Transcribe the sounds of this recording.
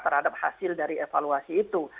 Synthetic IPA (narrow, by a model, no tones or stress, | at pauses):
t̪ərhadap̚ha̰sɪldaɾiefaluasiːt̪u